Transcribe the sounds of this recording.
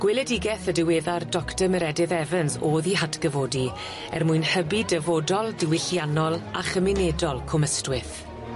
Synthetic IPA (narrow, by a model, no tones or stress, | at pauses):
ɡ̥wɪlˠɛdɪɡɛθədɪweːðardɔktəməɾɛdɪðɛvənsoːðiɦatʰɡəvoːdi | ɛ̰rmuɨnhəbidɛvoːdɔlˠdɪwɪɬjanɔlˠaχəmɪnedɔlˠkʰʊməstwɪθ